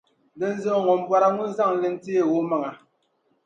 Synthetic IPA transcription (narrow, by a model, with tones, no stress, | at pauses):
dɛ˦n̩˦zə˦˨ŋɔ˨m̩˦bwa˦ɾa˦ŋu˦n˦za˦˨ŋ˨lɛ˦n̩˦ti˦e˨wo˦ma˨ŋa˨